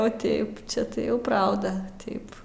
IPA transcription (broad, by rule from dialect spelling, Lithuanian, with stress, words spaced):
oː ˈtʲɛɪp ˈt͡ʃʲɛ tɐɪ ˈjɛʊ ˈprɐʊdɐ ˈtʲɛɪp